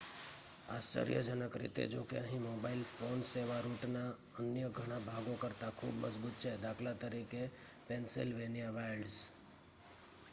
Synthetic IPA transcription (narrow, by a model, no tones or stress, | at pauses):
aːst͡ʃə̰ɾijəd͡ʒənəkɾḭt̪ḛd͡ʒo̰ːkḛəɦĩmoːbaːɪlpʰoːnseːʋaɾuːʈna | ənjəɡʱəɽ̃abʱaɡõkəɾt̪akʰṵːbmə̰d͡ʒbuːt̪̚t͡ʃʰɛd̪aːkʰlat̪əɾikepẽnsɪlʋeːnijaʋaɾɖs